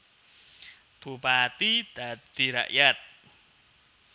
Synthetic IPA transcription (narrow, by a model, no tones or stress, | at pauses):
b̥upat̪id̪̥ad̪̥i̤ɾa̰ʔjat̪̚